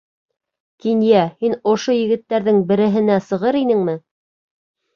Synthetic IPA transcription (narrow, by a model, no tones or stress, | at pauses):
kinjæhinŏʃojɘ̆ɡɘ̆t̪ːæɾðɘŋbɘ̆ɾɘ̆ɦɘ̆næsɤ̆ʁɤɾinɘŋmɘ